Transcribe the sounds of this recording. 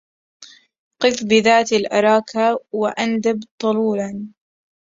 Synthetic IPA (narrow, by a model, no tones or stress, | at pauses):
qɨθbɪðaːt̪alʔɑ̰ɾˤɑːkʰawaʔand̪abt̪ˤɑluːlan